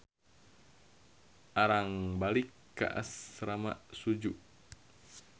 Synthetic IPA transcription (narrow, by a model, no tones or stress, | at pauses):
ʔaɾaŋbalikːa̰ʔa̰sɾama̰sud͡ʒuʔ